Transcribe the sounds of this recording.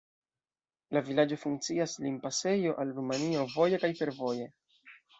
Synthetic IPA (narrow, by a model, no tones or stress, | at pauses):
lavilad͡ʒo̞fuŋk̚t͡siaslinpase̞jo̞ʔalɾumanio̞vo̞jekajfe̞ɾvo̞je̞